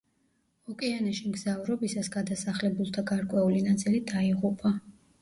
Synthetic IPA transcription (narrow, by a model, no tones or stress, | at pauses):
ɔkʼɛanaʃimɡzavɾɔbisasɡad̪asaχlɛbulˠt̪ʰaɡaɾkʼwɛulinat̪sʼilid̪aiʁupʼa